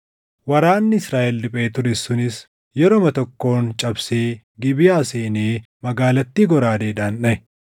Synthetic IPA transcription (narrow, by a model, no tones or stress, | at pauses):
wɐɾaːnːɪɪsɾaːʔɛlːɪpʼe̞ːt̪ʊɾɪsʊnɪs | jɛɾomɐt̪ɔkːo̞ːnt͡ʃʼɐbseː | ɡɪbɪjaːseːneː | mɐɡaːlɐt̪ːiːɡɔɾaːd̪eːᶑaːnᶑɐɛ